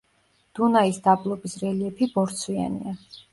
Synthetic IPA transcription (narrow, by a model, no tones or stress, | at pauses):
d̪̥unaisd̪ablˠɔbisɾɛliɛpʰibɔɾt̪sʰwia̰nḭa